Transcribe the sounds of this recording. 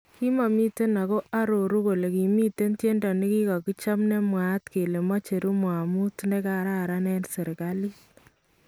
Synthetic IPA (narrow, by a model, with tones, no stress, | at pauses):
ki˦ma˨mi˦te˦na˨ko˦ʔa˦ɾo˨ɾu˦ko˨le˨ki˨mi˦te˦ntje˦ndɔ˨ni˦ki˦kɔ˨ki˦t͡ʃa˦mne˦mwa˨tke˨le˨ma˦t͡ʃe˨ɾu˦mwa˨mu˦tne˦ka˦ɾa˦ɾa˦nɛ˦nse˨ɾka˦li˦